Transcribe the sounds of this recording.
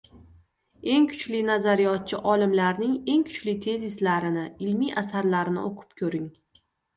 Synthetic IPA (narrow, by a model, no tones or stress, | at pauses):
e̞ŋkʰʊ̥t͡ʃlɪnazaɾijɒt̪̚t͡ʃʰɪʔɒlɪmlaɾnɪŋe̞ŋkʰʊ̥t͡ʃlɪt̪ʰe̞zɪslaɾɪnɪɪlmiʔasaɾlaɾɪnɪ̰oqʰɨ̥p̚kʲʰɵɾɪŋ